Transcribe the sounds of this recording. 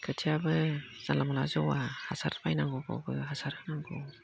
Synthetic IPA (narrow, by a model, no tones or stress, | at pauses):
kʰɯtʰiabɯz̥anlamalazɔwahasaɾpajnaŋɡɔɡɔ̰bɯɦasaɾhɯnaŋɡɔ